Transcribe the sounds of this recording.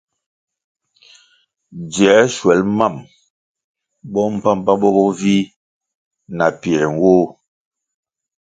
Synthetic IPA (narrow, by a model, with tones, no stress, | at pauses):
d͡ʒjɛ˨˦ʃwɛ˨˦lma˦˨m | bɔ˦m̩˦˨pa˦m˦pa˦bɔ˦bɔ˦vi˦ | na˨pi˨ɛ˨ɛ˨ŋ˦wo˦